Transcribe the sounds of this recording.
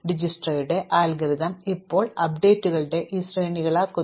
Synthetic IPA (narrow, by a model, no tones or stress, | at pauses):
ɖid͡ʑisʈrɐɾuɽe̞ʔaːlɡɐɾid̪ɐmipːo̞ːɭɐpɖe̞ːtːuɣɐɭɨɽe̞ʔisreːniɣɐɭaːkːo